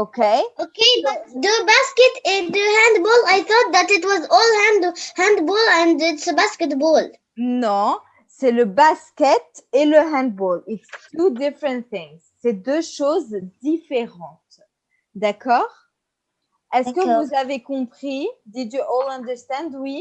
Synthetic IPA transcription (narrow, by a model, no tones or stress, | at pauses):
okeoked̪əbaskɛt̪ɪd̪əhæ̃nd̪bɔlajθɔt̪̚ðæt̪ɪtwɔzɔlˠhæ̃nd̪hæ̃nd̪bɔlɛ̃nɪtsəbaskɛt̚bɔl | nɔ̃ | sɛləbaskʲɛt̪eləɦɛ̃nd̪̚bɔlitst̪ud̪ɪfɹɛ̃nt̪θɪ̃ŋzsɛd̪øʃozd̪ifeʁɑ̃t̪ | d̪akɔːʁ | ɛskəvuzavekɔ̃pχid̪idjuʔɔlɑ̃nd̪ə˞st̪ɛ̃nd̪wi